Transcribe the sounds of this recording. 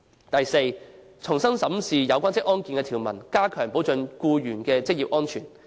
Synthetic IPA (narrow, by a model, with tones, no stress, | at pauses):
t̪ɐ˨jse˧j | t͡sʰʊ˨˩ŋsɐ˥ŋsɐ˨˥msiː˨jɐ˨˧wkʷaː˥nt͡sɪ˥k̚ʔɔː˥nkiː˧nkɛ˧t̪ʰiː˨˩wmɐ˨˩nkaː˥kʰœː˨˩ŋpo˨˥wt͡sɵ˧nkuː˧jyː˨˩nkɛː˧t͡sɪ˥k̚jiː˨˩pʔɔː˥nt͡ʃʰyː˨˩n